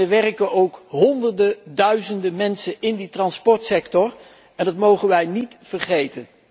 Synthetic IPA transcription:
əʋɛrəkəowkɦɔndərdədœɥzəndəmɛnsənɪnditrɑnspɔɹtsɛktɔr | ɛndɑtmowχənʋɛjnitfərχejtən

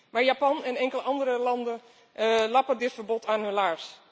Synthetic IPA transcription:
maːɹjaːpɑnɛnɛŋkələʔɑndəɾəlɑndən | lɑpədɪtfəɹbɔtʰaːnɦɵnlaːɹs

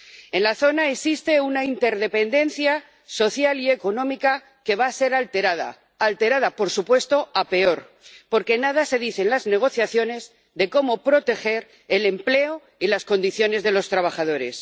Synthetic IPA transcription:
e̞nlaθo̞naeksist̪e̞unaint̪e̞ɾðe̞pe̞nd̪e̞nθja | so̞θjalie̞ko̞nõ̞mika | ke̞βaːse̞ɾalt̪eɾaða̰ | alt̪e̞ɾaðapo̞ɾsupwe̞st̪o̞ape̞o̞ɾ | po̞ɾke̞nað̞ase̞ðiθe̞nlazne̞ɣ̞o̞θjaθjo̞ne̞z | ðe̞ko̞mo̞pɾo̞t̪e̞xe̞ɾ | ele̞mple̞o | ilasko̞nd̪iθjo̞ne̞zðe̞lo̞st̪ɾaβ̞aχað̞o̞ɾe̞s

